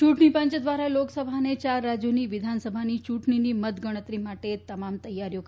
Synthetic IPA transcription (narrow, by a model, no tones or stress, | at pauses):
t͡ʃuʈɳipəɲt͡ʃd̪ʋaɾaloksəbʱanet͡ʃaɾːad͡ʒjoniʋɪd̪ʱansəbʱanit͡ʃuʈɳinimət̪ɡəɽ̃ət̪ɾimaʈet̪əmamt̪əjːaɾjo